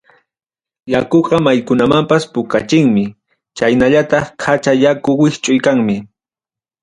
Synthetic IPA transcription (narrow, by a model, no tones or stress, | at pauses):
jakoqɑmajkʊnamampaspʊkat͡ʃɪŋmɪ | t͡ʃajnaʎat̪ɑχkʰat͡ʃajakʊwɪht͡ʃʼʊjkaŋmɪ